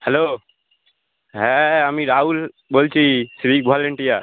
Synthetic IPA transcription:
hɛlo | ɦɛamiɾaul | bolt͡ʃʰisɾik̚bʱalɛɳʈija

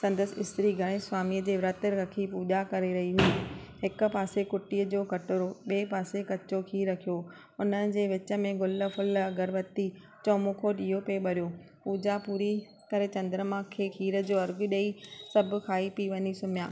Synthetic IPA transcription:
sɐ̃nd̪əsɪɪ̰st̪ɾiɡʱɐɽ̃ẽsʋaːmiəd͡ʑeːʋɾət̪əɾɐkʰipuːd͡ʑakɐɾeɾɐɦiɦuiːɦɪk̆paːsekʊʈiːəd͡ʑoːkɐʈɾoɓeːpaːsekɐt͡ɕokʰiɾːɐkʰijo | ʊnəɪ̆d͡ʑeːʋɪt͡ɕə̆mẽɡʊlə̆fʊlɐɡəɾʋɐt̪i | t͡ɕɔːmuːkʰoɗiːɦopeɓɐɾijoː | puːd͡ʑapuːɾi | kɐɾet͡ɕɐ̃nd̪ɾəmãkʰeːkʰiːɾə̆d͡ʑoːɐɾɡʊɗeisɐbʱʊ̆kʰaːipiʋɐɲisʊmijaː

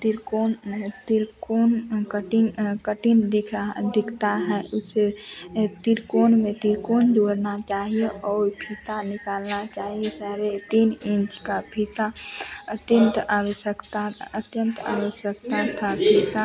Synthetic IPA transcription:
t̪iɾkont̪iɾkoːnkəʈkəʈind̪ɪkʰd̪ɪkʰt̪aɦɛʔʊset̪iɾkoːnmẽt̪iɾkoːnd͡ʒoːɾnat͡ʃaːɦijeʔɔːɾpʰit̪anɪkaːlnat͡ʃaːɦiesaːɾet̪inɪ̃nt͡ʃkapʰit̪aət̪jənt̪awəsjəkt̪aət̪jə̃nt̪a̰ːʋəʃjəkt̪at̪ʰapʰit̪a

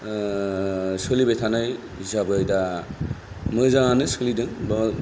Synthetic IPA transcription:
sɯlibetʰanaj | isabɯjda | mɯzaŋanɯsɯlidɯŋb

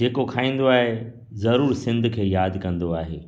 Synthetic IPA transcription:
d͡ʑeːkokʰaːĩːn̆d̪oaːɦe | zɐɾuːɾsɪ̃nd̪ʱkʰeːjaːd̪kɐ̃nd̪oaːɦeː

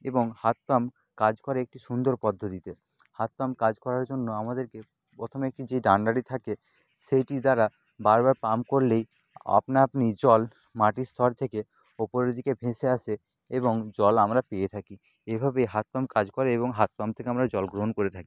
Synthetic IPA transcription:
eboŋhat̪̚pam | kad͡ʑkɔɾeek̚ʈiʃund̪oɾpɔd̪ʱːod̪it̪e | hat̪̚pamkad͡ʑkɔɾaɾd͡ʑonːoamad̪eɾke | pɾot̪ʰomek̚ʈid͡ʑejɖaɳɖaɽit̪ʰake | ʃejʈid̪aɾa | baɾbaɾpamkoɾlej | a̰pnaapnid͡ʑɔl | maʈist̪ʰɔɾt̪ʰeke | opoɾed̪ʱikebʱẽʃeaʃʰe | eboŋd͡ʑɔlamɾapejet̪ʰaki | ebʱabejɦat̪̚pamkad͡ʑkoɾeeβoŋɦat̪̚pamt̪ʰekeamɾad͡ʑɔlɡɾoɦonkoɾet̪ʰaki̥

